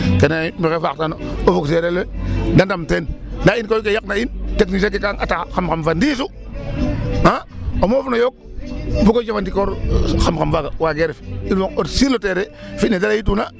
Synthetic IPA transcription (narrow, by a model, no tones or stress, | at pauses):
kenamikefaktanoofukseɾeledandamtendainkokejak̚nainteknisak̬ekaŋa̰taxamkamfandisu | aomofunojok̚bukod͡ʒafandikoɾxamkamfaɡawaɡeɾefiwokotsiɾlːoteːɾefinedaɾajit̬una